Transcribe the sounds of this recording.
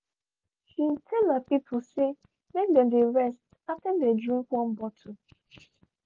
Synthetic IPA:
hitʰɛlapipʰʊse | mek̚dɛ̃mdeɹɛst | atɛ̃ndedĩŋkʷɔ̃m̩bɔtʰu

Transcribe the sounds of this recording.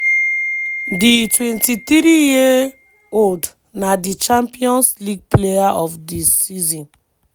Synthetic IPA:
ditwɛ̃ntit̪ɾiji | old | nadit͡ʃãmpiɔ̃nsliɡ̚plejaʔɔfdisizɔ̃n

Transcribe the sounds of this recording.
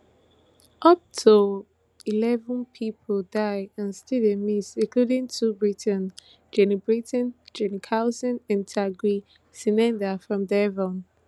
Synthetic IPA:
ʔʌp̚tʰu | ilɛvə̃npʰipʰɔldaɪãnstedɛmisĩkludĩŋtʰubɹitə̃n | d͡ʒɛnibɹitɛ̃nd͡ʒɛnikʰaʊsɛ̃nɛ̃ntʰaɡɹi | sinɛ̃ndafɹɔ̃mdɛvɔ̃n

